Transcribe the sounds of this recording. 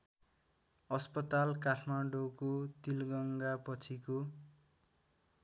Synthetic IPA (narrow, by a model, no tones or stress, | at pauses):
ʌspʌt̪alkaʈʰmaɖokot̪ilɡʌŋɡapʌt͡sʰiko